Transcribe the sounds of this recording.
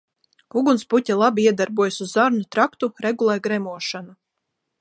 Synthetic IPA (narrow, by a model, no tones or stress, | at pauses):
uɡunsputʲalˠabiiɛd̪aɾbuɔjasuzːaɾnut̪ɾakt̪uɾɛɡulˠɛjɡɾɛmuɔʃana